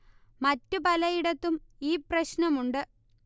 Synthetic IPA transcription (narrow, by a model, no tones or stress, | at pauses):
mɐtːupɐlɐjiɽɐt̪ːumiːprɐɕnɐmuɳɖɨ